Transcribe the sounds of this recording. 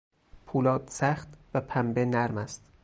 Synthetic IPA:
pʰuːlɒːd̪sæxt̪væpʰæmbenæɾmæst̪

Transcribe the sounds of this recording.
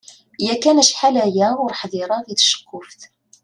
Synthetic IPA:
jækænæʃħalæjæʊɾħðˤəɾˤɑðiθʃə̥kːʊfθ

